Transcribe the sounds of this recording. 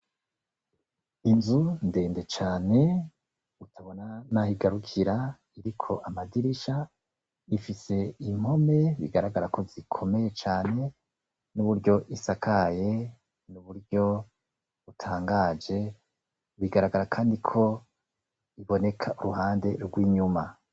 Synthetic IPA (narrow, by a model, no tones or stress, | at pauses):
inzunde̞ːnde̞t͡ʃaːne̞ | utʰaβo̞nanahiɡaɾukʰiɾa | iɾikʰo̞ʔamadiɾiʃa | ifise̞im̥ho̞me̞βḭɡaɾaɡaɾakʰo̞zikʰo̞me̞je̞t͡ʃaːne̞ | nuβuɾɟo̞ʔisakʰaje̞ | nuβuɾɟo̞ | βutʰaːŋɡad͡ʒe̞ | βiɡaɾaɡaɾakʰaːndikʰo̞ | iβo̞ne̞kʰaʔuɾuɦaːnde̞ɾɡwiːɲuma